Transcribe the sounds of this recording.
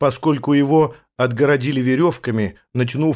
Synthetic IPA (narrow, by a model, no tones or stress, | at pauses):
pɐsko̞lʲkʊjɪvo̞ | ɐd̪ɡəɾɐdʲilʲɪvʲɪɾʲo̞fkəmʲɪ | nɐt͡ɕnu